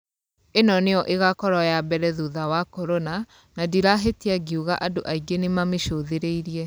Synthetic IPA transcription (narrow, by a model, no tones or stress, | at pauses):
enɔneɔʔeɣakɔɾɔjabɛɾɛðuðawakɔɾɔna | nadiɾaɦetiaɡiuɣaʔadoʔaiɡenemameʃoðeɾeiɾiɛ